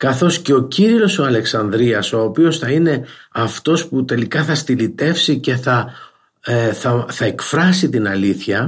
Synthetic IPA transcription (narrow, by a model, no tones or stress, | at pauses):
kɐθo̞sce̞o̞ciɾio̞so̞ɐle̞ksɐnd̪ɾiɐso̞ːpio̞sθɐine̞ɐft̪o̞sput̪e̞likɐθɐst̪ilit̪e̞fsice̞θɐ | θɐθɐe̞kfɾɐsit̪inɐliθçɐ